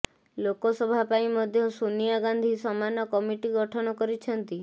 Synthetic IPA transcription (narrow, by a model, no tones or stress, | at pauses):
lokɔsɔbʱapaĩmɔd̪ʱjɔsunijaɡand̪ʱisɔmanɔkɔmiʈiɡɔʈʰɔɽ̃ɔkɔɾit͡ʃʰɔnt̪i